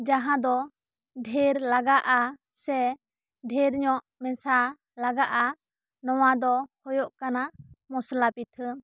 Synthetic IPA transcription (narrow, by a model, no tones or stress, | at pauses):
d͡ʒaɦãd̪ɔ | ɖʱeɾlaɡaʔa | sɛ | ɖʱeɾɲɔʔ | mɛ̃sa | laɡaʔa | nɔwad̪ɔhɔjɔʔkanamɔslapit̪ʰə